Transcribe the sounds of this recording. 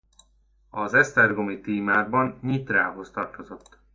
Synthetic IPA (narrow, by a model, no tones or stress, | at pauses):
ɒzɛst̪ɛrɡo̞mit̪iːmaːɡ̚bɒnɲit̪raːɦo̞st̪ɒrt̪o̞zo̞t̪ː